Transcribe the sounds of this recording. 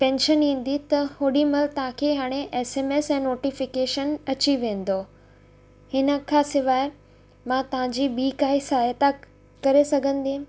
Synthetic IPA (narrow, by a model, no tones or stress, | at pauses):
pɛ̃ːnʃənĩːn̆d̪it̪ɐhoːɗimɐlt̪ɐɦãkʰeɦaːɽ̃eʔeːseːmeːsɛ̃ːnoːʈifɪkeːʃənɐt͡ɕiʋẽːn̆d̪oː | hɪnə̆kʰãːsɪʋaːe | mãt̪ɐʋ̤ãɲd͡ʑibiːkaːisaːjət̪a | kɐɾesɐɡʱə̃nd̪ĩ